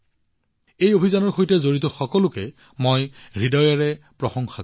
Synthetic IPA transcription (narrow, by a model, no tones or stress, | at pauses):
ejobʱizanɔɹxojtɛzoɹitɔxɔkɔlʊkɛ | mojɹidɔjaɹɛpɹɔxɔŋxa